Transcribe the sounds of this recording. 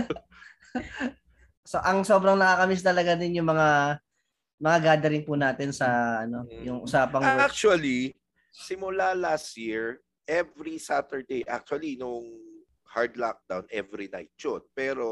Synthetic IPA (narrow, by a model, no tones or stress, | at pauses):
so̞ʔɐŋsobɾɐŋnɐkaːkɐmɪs̬t̪ɐlɐɡad̪ɪnjʊŋmɐŋa | mɐŋaɡaːd̪ɐɾɪŋpunaːt̪ɪnsɐʔɐno̞jʊŋʔʊsaːpɐŋak̚t͡ʃuɐli | sɪmʊlalast̪̚jiɹ | ʔɛvɾisat̪ɛɹd̪ejʔa̰k̚t͡ʃuɐlinoŋ | haɹd̪lak̚d̪̥awnʔɛvɾina̰jt̪̚t͡ʃonpɛːɾo